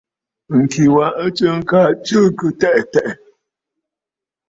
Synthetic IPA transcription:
ŋ̩˨ki˨wa˨ʔə˦t͡ʃə˦ŋ̩˦ka˦t͡ʃə˦kɨ˦tɛ˦ʔtɛ˦˨ʔ

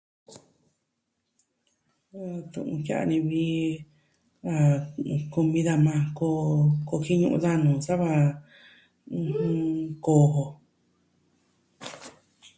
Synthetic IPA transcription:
t̪ṵ̃˧˨ʔṵ̃˧ka̰˦a̰˧nĩ˧βi˧˦ | a˧ku˧mĩ˧ða˧mã˧ko˧ko˧ki˦ɲũ˧ʔṵ̃˧ða˦nũ˨sa˦βa˧ | ko˨ɦo˧

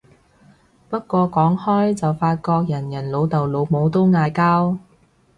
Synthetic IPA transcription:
pɐ˥t̚kʷɔː˧kɔː˨˥ŋhɔː˥jt͡sɐ˨wfaː˧t̚kɔː˧k̚jɐ˨˩njɐ˨˩nlo˨˧wt̪ɐ˨˩wlo˨˧wmo˨˧wt̪o˥wŋaː˧jkaː˥w

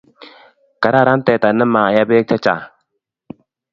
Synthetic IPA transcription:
ka˨ɾa˦˨ɾa˦n˦t̪ɛ˨t̪a˨nə˦ma˨ja˦be˦k̚t͡ʃʰa˦t͡ʃa˨

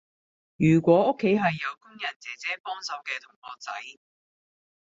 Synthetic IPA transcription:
jyː˨˩kʷɔː˨˥ʊ˥kʰːe˨˥jɦɐ˨jːɐ˨˧wkʊ˥ŋjɐ˨˩nt͡sɛː˨˥t͡sɛː˨˥pɔː˥ŋsɐ˨˥wkɛː˧t̪ʰʊ˨˩ŋhɔː˨t͡sɐ̰˨˥j

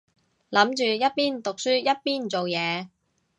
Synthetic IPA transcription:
lɐ˨˥mt͡ʃyː˨jɐ˥t̚piː˥nt̪ʊ˨k̚syː˥jɐ˥t̚piː˥nt͡so˨wjɛː˨˧

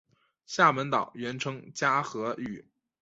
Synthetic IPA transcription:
ɕja˥˩mə˧˥nt̪ɑ˨˩ʊɥɛ˧˥nʈ͡ʂʰɤ˥ŋt͡ɕja˥xɤ˧˥y˨˩˦

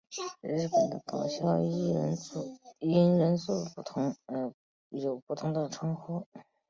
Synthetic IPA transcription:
ɻɻ̩˥˩pə˨˩nd̪ə̰˦kɑ˨˩ʊɕjɑ˥˧i˥ɻə˧˥nsu˥˩i˥nɻə˧˥nsu˥˩pu˥˩t̪ʰʊ˧˥ŋ˧˩ | jo˨˩ʊpu˥˩t̪ʰʊ˧˥ŋd̪ə˨ʈ͡ʂʰwɑ˥ŋxu˥

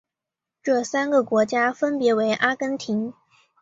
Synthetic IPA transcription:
ʈ͡ʂɤ˥˩sa˥nɡə˨kwɔ˧˥t͡ɕja˥fə˥npjɛ˧˥we˧˥ɪʔa˥kə˥nt̪ʰi˧˥ŋ

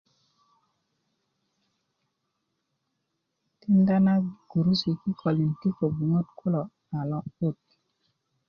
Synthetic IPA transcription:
ti˦nda˦na˦ɡ̥u˨ɾu˦si˨ki˦kʰɔ˨li˨nki˦ko˨bu˨ŋo˦tkʰo˦lɔ˨ | na˨lɔ˦o˦˨t

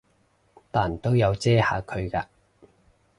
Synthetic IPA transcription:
t̪aː˨˩nt̪o˥wjɐ˨˧wt͡sɛː˥ha̰ː˨˧kʰɵ˨˧ɥkaː˧

